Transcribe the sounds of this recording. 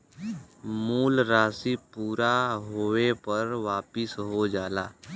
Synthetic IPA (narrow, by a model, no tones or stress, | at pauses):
muːlɾaːsipuːɾaɦoːepəɾʋaːpɪsɦod͡ʒaːlaː